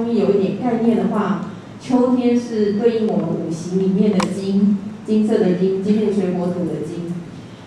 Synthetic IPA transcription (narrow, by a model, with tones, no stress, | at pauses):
ŋi˥njo˨˩ʊi˥˩t̪jɛ˨˩nka˥˧ɪnjɛ˥˩nd̪ə˩xwa˥˩ | t͡ɕʰjo˥ʊt̪ʰjɛ˥nʂɻ̩˥˧t̪we˥˩˧ɪi˥˩ŋwɔ˨˩ə˦nu˨˩ɕi˧˦ŋli˨˩mjɛ˥˩nd̪ə˩t͡ɕi˥ŋt͡ɕi˥ŋsɤ˥˩d̪ə˨˩t͡ɕi˥ŋt͡ɕi˥njɛ˥˩nʂwe˧˥ɪkwɔ˧˥t̪ʰu˧˥d̪ə˧t͡ɕi˥ŋ